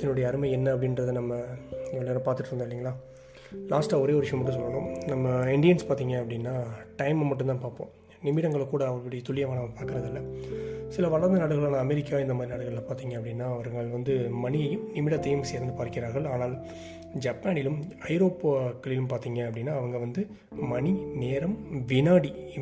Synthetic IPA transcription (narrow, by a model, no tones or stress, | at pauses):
ɐnːʊɽɐjɐːɾɯmɐɪɛnːɐɐp̬ːɐɽɪnɾɐðɯnɐmːɐɛʋɐɭaːɾɐpaːɾt̪ɯʈːɯɾɯnd̪aːlːɪŋɡɐɭlaː | laːsʈaːɔɾeːɔɾɪʂɐʋɐmɐʈːɯ̃s̬ɔlːɐɾõ̰ːnɐmːɐɪɳɖɪjɐnspaːɾt̪iːŋɡɐɐpːɐɽɪnːaːʈɐɪmmɐʈ̬ːɯnt̪aːnpaːɾpõ̰ː | nɪmɪɽɐŋɡɐɭkːuːɽɐːʋɐɭpɐɽɐjt̪ʊlɪjɐʋaːnɐpaːɾkɐɾɐðɪlːɐsɪlɐʋɐɭɐɾɐnd̪ɐnɐːɽɯɣɐɭaːnãɐmɛɾɪkːaːɪnd̪ɐmaːd̪ɾinɐːɽɐɣɐɭlɐ̃paːɾt̪iːŋɡɐɐpːɐɽɪnːaːɐʋɐɾɯŋɡɐɭʋɐnd̪ɯmɐɳɪɐjɯmnɪmɪɽɐt̪ːɐjɐmseːɾɯnd̪ɯpaːɾkɪɾaːɾɣɐɭaːnaːl | d͡ʒɐpːaːnɪlɯmɐɪɾoːpːkːɐɭɪlɯmpaːɾt̪iːŋɡɐɐpːɐɽɪnːaːɐʋɐŋɡɐʋɐnd̪ɯ | mɐɳineːɾɐmʋɪnaːɽi